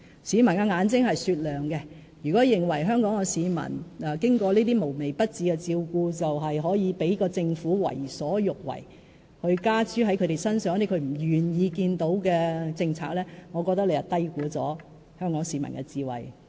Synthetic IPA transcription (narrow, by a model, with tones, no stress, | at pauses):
siː˨˧mɐ˨˩nkɛ˧ŋaː˨˧˥nt͡sɪ˥ŋhɐ˨jsyː˧t̚lœː˨ŋkɛ˧ | jyː˨kɔː˨˥jɪ˨ŋwɐ˨˩jɦœː˥ŋkɔː˨˥ŋɛ˧siː˨˧mɐ̰˨˩nɛː˨kɪ˥ŋkɔː˧liː˥t̪iː˥mo˨˩wme˨˩jpɐ˥t̚t͡siː˨˧kɛ˧t͡siː˧wkuː˧t͡sɐ˨wɦɐ˨jɦɔː˨˥jiː˨˧pe˨˥jkɔː˧t͡sɪ˧ŋfuː˨˥wɐ̰˨˩jsɔː˨˥jʊ˨k̚wɐ̰˨˩j | hɵ˧ɥkaː˥t͡syː˥ɦɐ˨˥jkʰɵ˨˧ɾe˨jsɐ˥nsœː˨˥ŋ˥t̪e˨˥kʰɥm̩˨˩jyː˨˩njiː˨˧kiː˧nt̪o˨˥wkɛː˧t͡sɪ˧ŋt͡sʰa̰ː˧k̚lɛː˥ŋɔː˨˧kɔː˧k̚t̪ɐ˥k̚le˧jɐ˨˩t̪ɐ˥jkuː˨˥t͡sɔ̰ː˨˥ | hœː˥ŋkɔː˨˥ŋsiː˨˧mɐ̰˨˩nkɛ˧t͡siː˧wɐ̰˨j